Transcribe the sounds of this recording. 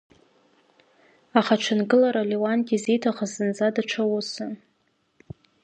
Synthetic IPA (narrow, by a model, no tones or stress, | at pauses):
aχaʈ͡ʂʰanɡɨlaɾalewantʼizejtʰaχazɨnd͡zadaʈ͡ʂʷʰawusa